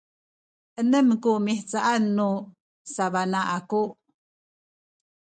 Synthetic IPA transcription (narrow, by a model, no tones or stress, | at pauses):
ʔənəmkumiħt͡saʔanːu | savanaʔaku